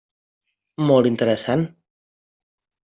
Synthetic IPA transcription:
mɔlˠt̪int̪əɾəsan

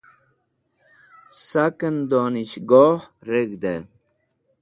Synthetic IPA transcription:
sakənd̪oniɕɡoːhɾeɡd̪e

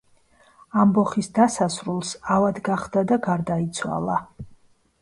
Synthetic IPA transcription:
ambɔχisd̪asasɾulˠsavad̪ɡaχd̪ad̪aɡaɾd̪ait̪sʰwa̰lˠa

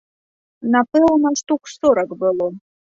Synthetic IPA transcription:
napɨlˠnaʂt̪ukʷsoɾɐkbɨlˠo

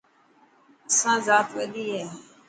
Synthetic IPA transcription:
əsãːzaːt̪ʋeɗ̪iːɦɛː

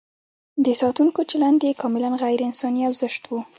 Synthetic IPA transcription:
d̪əsɑt̪uŋkot͡ʃaland̪ekʰɑmɪlanɣajɾɪnsɑniawzəʃt̪wu

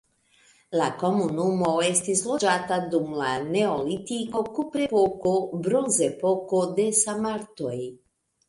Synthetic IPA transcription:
lako̞munumo̞est̪islo̞d͡ʒat̪ad̪umlane̞olit̪iko̞kupɾepokobɾonzepokod̪e̞samaɾt̪oj

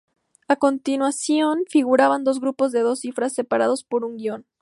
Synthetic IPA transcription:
ako̞nt̪inwasjo̞nfiɣuɾaβand̪o̞zɣɾupo̞zðe̞ð̞o̞sifɾasːe̞paɾað̞o̞spo̞ɾuŋɡjo̞n

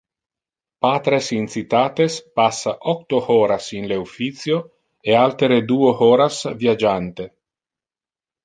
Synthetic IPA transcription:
paːt̪ɾesinsit̪aːt̪espasːaʔɔk̚t̪ohɔːɾasinleufit̪sjo | ealt̪eɾed̪uːohɔːɾasvjad͡ʒant̪e

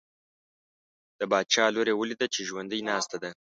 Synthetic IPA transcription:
d̪̥əbɑd̪̚t͡ʃɑloɾewəlid̪at͡ʃeʒwand̪əjnɑst̪ad̪a

